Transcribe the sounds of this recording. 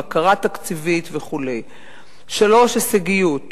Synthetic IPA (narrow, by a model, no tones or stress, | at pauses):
akaʁat̪akt͡sivit̪veχule̞j | ʃalo̞ʃeseɡijut̪